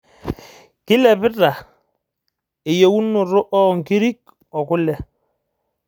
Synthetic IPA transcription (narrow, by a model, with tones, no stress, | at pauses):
kɪ˦lɛ˨pɪ˦ta˨ | ɪ˨je˨wu˦no˨ɾo˦ʔɔ˦˨ŋki˦ɾi˦k̚ | ɔ˨kʊ˦lɛ˨